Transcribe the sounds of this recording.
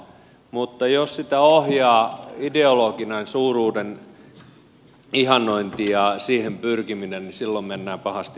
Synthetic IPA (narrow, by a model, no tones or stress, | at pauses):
mut̪ːɑjossit̪æohjɑːideoloɡinɑinsuːruːden | ihɑnːˑoint̪ijɑsiːhempyrkiminennisilːommenːæːpɑhɑst̪i